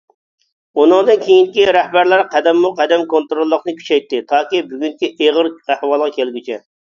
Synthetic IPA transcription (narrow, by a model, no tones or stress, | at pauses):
unɨŋd̪ɨnkʲʰejiŋkʲiɾæhbæɾlæɾqʰæd̪ɛmːuqʰɛd̪ɛmkont̪ɾolˠːəqnɨkʲʰy̥t͡ʃʰɛjt̪ːɪt̪ʰɑːkʲibyɡʲyŋkʲiʔeʁəɾæhwɑːlˠʁɑkʲelɡʲit͡ʃʰɛ